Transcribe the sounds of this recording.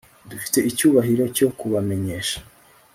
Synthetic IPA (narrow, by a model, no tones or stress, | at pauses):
dufi̥te̞icuːβaɦiɾo̞co̞kuβame̞ɲeʃḁ